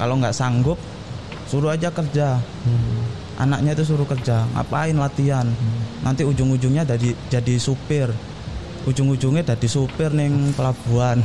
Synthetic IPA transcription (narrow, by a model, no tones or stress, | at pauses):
kaloŋɡaʔsaŋɡʊp̚ | suɾuad͡ʒakərd͡ʒa | ʔa̰nak̚ɲait̪us̬uɾukərd͡ʒaŋa̰ʔpaɪnlat̪ianːant̪iud͡ʒʊŋud͡ʒʊŋɲadadid͡ʒadisupɪr | ʔud͡ʒʊŋud͡ʒʊŋɲadadisupɪrnɪŋpəlab̥uan